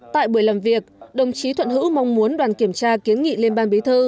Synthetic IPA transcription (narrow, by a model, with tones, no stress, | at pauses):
t̪a̰ː˧˨jɓu˧˩əjlaː˨˩mvi˨˩ək̚ɗə˨˩wŋ͡mt͡ɕi˨˦t̪ʰwə̰˧˨nhɨ̰˧˥ma˧wŋ͡mmu˨˦ənɗwaː˨˩nki˧˩əmt͡ɕaː˧ki˨˦ənŋḭ˧˨le˧nɓaː˧nɓi˨˦t̪ʰɨ˧